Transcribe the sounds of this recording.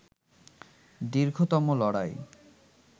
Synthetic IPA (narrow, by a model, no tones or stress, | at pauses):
d̪iɾɡʱot̪ɔmolɔɽaj